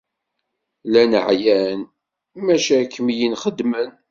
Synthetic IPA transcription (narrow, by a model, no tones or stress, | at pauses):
lænəʕjæn | mæʃækʰːəmjinχəd̪mən